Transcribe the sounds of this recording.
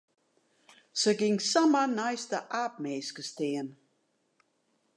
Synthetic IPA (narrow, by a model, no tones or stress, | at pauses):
səɡɪŋsamənajstəʔaːp̚meːskəsteən